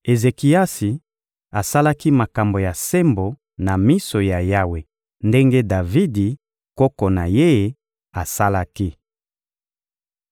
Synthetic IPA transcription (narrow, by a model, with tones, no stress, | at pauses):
e˨ze˨ki˨a˦si˨ | a˨sa˦la˦ki˦ma˨ka˨mbo˨ja˨se˦mbo˨ | na˨mi˦so˨ja˨ja˦we˨ | nde˦ŋɡe˦da˨vi˦di˨ | kɔ˦ko˨na˨je˦je˨ | a˨sa˦la˦ki˦